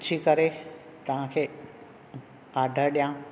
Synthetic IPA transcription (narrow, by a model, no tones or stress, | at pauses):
t͡ɕʰikɐɾe | t̪ɐʋ̤ãkʰeː | aːɖʱəɾɗijã